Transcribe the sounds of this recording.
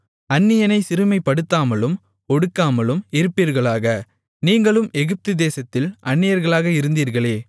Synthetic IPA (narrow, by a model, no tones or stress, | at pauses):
ɐnːɪjɐnɐɪsɪɾɯmɐɪpːɐɽɯt̪ːaːmɐlɯm | ɔɽɯkːaːmɐlɯmɪɾɯpːiɾɣɐɭaːɣɐ | niːŋɡɐɭɯmɛɣɯp̚t̪ɯd̪eːsɐt̪ːɪlʔɐnːɪjɐɾɣɐɭaːɣɐɪɾɯnd̪iːɾɣɐɭeː